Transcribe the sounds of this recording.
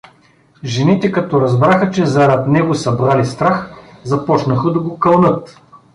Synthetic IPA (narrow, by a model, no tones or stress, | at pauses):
ʒɛnit̪ɛkɐt̪ɔɾɐzbɾaxət͡ʃɛzɐɾat̪nɛɡʊsɐbɾalist̪ɾaxzɐpɔt͡ʃnəxəd̪ɐɡokɐlˠnɤt̪